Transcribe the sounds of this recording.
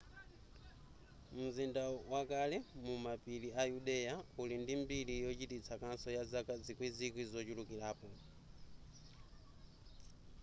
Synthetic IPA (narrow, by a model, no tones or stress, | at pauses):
m̩zindawakalɛmumapiliajuɗɛjaulindimbilijɔt͡ʃitit͡sʰakansɔjazakad͡zikwizikwizɔt͡ʃulukilaːpɔ